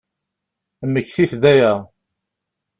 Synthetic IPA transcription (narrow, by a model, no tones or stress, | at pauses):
mːəçθiθd̪æjæ